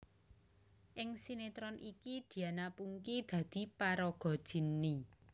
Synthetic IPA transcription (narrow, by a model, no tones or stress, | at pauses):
ʔɪŋsinet̪ɾɔnʔikid̪̥i̤anapuŋkid̪̥ä̤d̪̥i̤paɾɔɡ̥ɔ̤d̥ʒ̥i̤nːi